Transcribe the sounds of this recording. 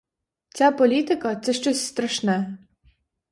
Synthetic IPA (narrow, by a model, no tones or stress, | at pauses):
t͡sʲapɔlʲit̪ɪkɐt̪sɛʃt͡ʃɔsʲst̪ɾɐʃnɛɛ